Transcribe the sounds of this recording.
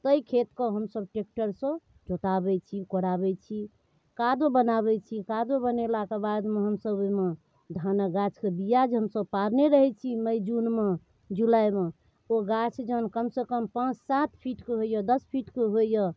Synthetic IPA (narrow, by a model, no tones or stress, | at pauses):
t̪əjkʰet̪kɔɦəmsəbʈek̚ʈəɾsə̃ | d͡ʒot̪abɛt͡ʃʰikoɾabɛt͡ʃʰi | kad̪obənaβɛt͡ʃʰikad̪obənelakebad̪meɦəmsəbime | d̪ʱanaɡat͡ʃʰkebijad͡ʒɦəmsəbpaɾneɾəɦɛt͡ʃʰiməjd͡ʒunme | d͡ʒulajme | oɡat͡ʃʰd͡ʒəɦənkəmsekəmpãt͡ʃʰsat̪pʰiʈkeɦojəd̪əspʰiʈkeɦojə